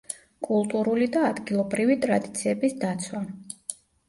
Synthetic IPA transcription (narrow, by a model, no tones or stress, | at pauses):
kʼulˠt̪ʼuɾulid̪aːd̪ɡilˠɔbɾivit̪ʼɾad̪it̪sʰiɛbisd̪at̪sʰwa